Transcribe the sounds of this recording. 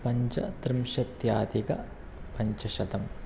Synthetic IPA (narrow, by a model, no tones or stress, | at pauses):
pɐɲt͡ʃɐ̰t̪ɾɪmʃɐt̪jaːd̪ikɐ | pɐɲt͡ʃɐʃɐd̪ɐm